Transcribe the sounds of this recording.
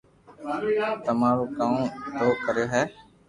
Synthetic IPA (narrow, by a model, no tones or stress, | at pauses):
t̪əmaːɾoːkaːmɖoːkəɾjoːɦɛː